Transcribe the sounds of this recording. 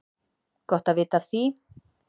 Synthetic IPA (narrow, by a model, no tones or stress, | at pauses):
kɔht̪avɪːt̪avθi